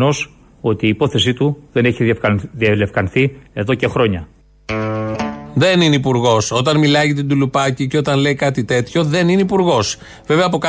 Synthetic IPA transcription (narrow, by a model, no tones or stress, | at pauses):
no̞s | o̞t̪iːpo̞θe̞s̬it̪uðe̞neçifðiɐlefkɐnθie̞ðo̞ce̞xɾo̞ɲɐ | ðe̞nineipuɾɣo̞so̞t̪ɐnmilɐjʝɐt̪̬ind̪ulupɐciceo̞t̪ɐnle̞ikɐt̪it̪e̞t̪ço̞ðe̞nineipuɾɣo̞s | ve̞ve̞ɐpo̞kɐ